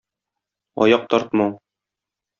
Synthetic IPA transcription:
ɒ̰jɑq̚t̪ɒɾt̪mɑ

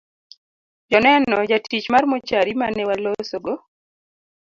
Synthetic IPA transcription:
d͡ʒɔnɛnɔd͡ʒatʰit͡ʃmarmɔt͡ʃaɾimanɛwalosoɡo

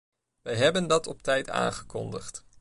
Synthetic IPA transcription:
ʋɛjɦɛbəndɑtɔptɛjta̰ːnχəkɔ̰ndəχt

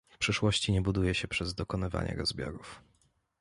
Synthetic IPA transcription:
fpʂɘʂwɔɕt͡ɕiɲɛbud̪ujɛɕɛpʂɛzd̪ɔkɔnɘva̰ɲɛ̰ɾɔzbʲjɔ̰ɾuf

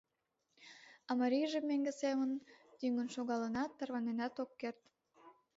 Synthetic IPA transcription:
ɑmɑɾʲijʒemːeŋɡesemənt̪yŋənʃoɣɑlənɑt̪ːɑrβɑnenɑt̪okːert̪

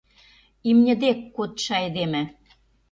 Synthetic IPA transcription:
imnʲɘ̆d̪ekːot̪ʃɑjd̪emɘ̆

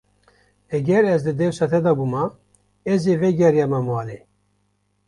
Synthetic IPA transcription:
ɛɡɛɾɛzd̪ɨd̪ɛwsɑt̪ʰɛd̪ɑbumɑ | ɛzevɛɡɛɾjɑːmamɑːle

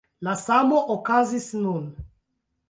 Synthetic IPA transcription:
lasamoʔokazisnun

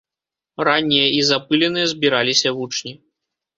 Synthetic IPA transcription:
ranʲːijɐizapɨlʲɛnɨjɐzʲbʲiɾalʲisʲɐvut͡ʂnʲi

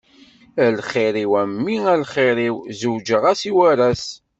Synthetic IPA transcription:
ælχiɾiwæmːiælχiɾiwzuwd͡ʒəʁæsiwæɾæs

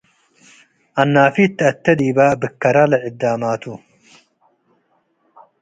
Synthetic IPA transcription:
ʔɐnːaːfit̪ːɪɐt̪ːɐd̪iːbaːbɨkːɐɾalɐʕɪd̪ːaːmaːt̪u

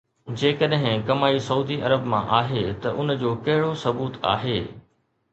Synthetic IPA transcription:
d͡ʑeːkəɗɦɪ̃kɐmaːisɐuːd̪iʔɐɾəbmã̰ʔaːɦet̪ɐʔʊnd͡ʑoːkɐɦɪɽosɐbuːt̪a̰ːɦeː

